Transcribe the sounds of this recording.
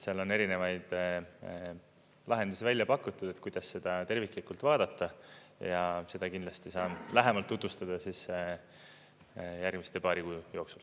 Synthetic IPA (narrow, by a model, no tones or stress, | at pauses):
seɑlo̞nːe̞ɾine̞vɑjd̪̥ | lʔɑɦe̞nd̪usivælʲjɑpɑkːˑut̪ːˑud̪̥e̞t̪ːˑkujd̪̥ɑsːe̞d̪̥ɑt̪e̞rvikˑlikult̪vɑːd̪̥ɑt̪ːˑɑjɑse̞d̪̥ɑkind̪lɑst̪isɑːnlæɦemɑlt̪ːut̪vust̪ɑd̪̥ɑsis | jærɡmist̪epɑːɾikujjo̞ːksul